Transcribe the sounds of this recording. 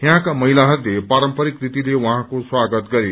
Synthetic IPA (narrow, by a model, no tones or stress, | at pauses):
jɦãkamʌɦilaɦʌɾlepaɾʌmpʌɾikrit̪ilewãɦãkoswaɡʌt̪ɡʌɾe